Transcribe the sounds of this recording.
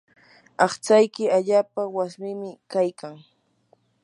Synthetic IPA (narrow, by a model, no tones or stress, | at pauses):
ɑχt͡sajkɪaʎaːpawasmɪmɪkajkaŋ